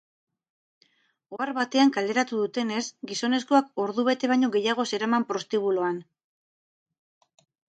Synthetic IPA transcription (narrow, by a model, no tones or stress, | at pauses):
o̞aɾβat̪e̞aŋkald̪e̞ɾat̪uðut̪e̞ne̞sɡiso̞ne̞sko̞ako̞ɾðuβ̞e̞t̪e̞β̞aɲo̞ɣe̞jaɣ̞o̞se̞ɾamampɾo̞st̪iβulo̞an